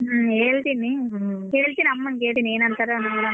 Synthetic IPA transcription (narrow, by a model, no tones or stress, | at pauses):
eːɭt̪inieːɭt̪inɐmːɐŋkeːʈineːnɐnt̪aːɾoːnɐmːɐna